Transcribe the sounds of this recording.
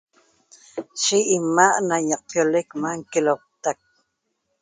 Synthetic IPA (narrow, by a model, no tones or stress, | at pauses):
ʃiʔːmaʔnajɑq̚pjolekmaŋkelop̚t̪ak̚